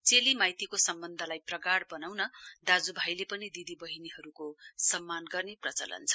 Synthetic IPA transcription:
t͡selimajt̪ikosʌmbʌnd̪ʱʌlajprʌɡaɽbʌnawnʌd̪ad͡zubʱajlepʌnid̪id̪ibʌɦiniɦʌɾukossʌmːanɡʌrneprʌt͡sʌ̰lʌ̰nt͡sʰʌ̥

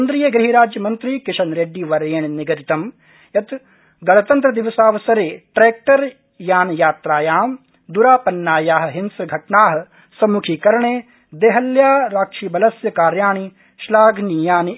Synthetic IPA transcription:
ɐnd̪ɾijɐɡɾɪɦiɾaːd͡ʒjɐmɐnt̪ɾikɪʃɐnɾeːɖːiːʋɐɾeːɳnɪɡɐɾit̪ɐm | jɐt̪ | ɡɐɭɐt̪ɐnt̪ɾɐd̪iʋɐsaːʋɐsɐɾeːʈɾeːk̚ʈɐɾ | jaːnjaːt̪ɾaːjaːm | d̪uɾaːpɐnːaːjaːɦɐ̆ɦɪnsɾɡʱɐʈnaːɦɐ | sɐmukʰiːkɐɾɳeː | d̪eːɦɐljaːɾaːkʂiːbɐlɐsjɐkaːɾjaːɳi | ʃlaːɡnijaːni

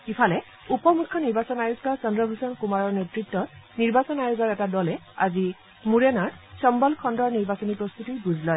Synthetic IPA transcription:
kipʰalɛ | upɔmukʰːɔniɹbasɔnajuzɔsɔndɹɔbʱusɔnkumaɹɔɹnetɹitːɔt̚niɹbasɔnajuɡɔɹɛtadɔlɛ | a̰zi | muɹɛnaɹsɔmbɔlkʰɔndɔɹniɹbasɔnipɹɔst̪utibuzlɔj

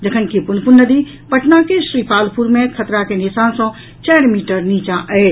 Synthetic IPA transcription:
d͡ʒəkʰənkipunpunnːəd̪i | pəʈʰnakesɾipalpʰuɾmekʰət̪ɾakenisansɔ̃ | t͡ʃɛɾmiʈəɾnit͡ʃãʔət͡ʃ

